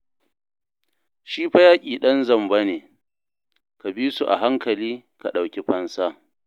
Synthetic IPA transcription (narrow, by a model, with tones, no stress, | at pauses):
ʃiː˦ɸa˦jaː˦kʲʼiː˨ɗɐ˦nzɐ˦˨mba˦neː˨ | ka˨bi˦su˨ʔa̰˨ɦa˦ŋkɐ˨liː˦ka˨ɗa˨wkʲe˦ɸɐ˦nsa˦